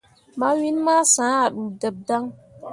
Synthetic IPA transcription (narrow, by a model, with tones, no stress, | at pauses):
ma˦wi˦nma˦sãː˨˦a˨ɗu˨də˨b̚da˦ŋ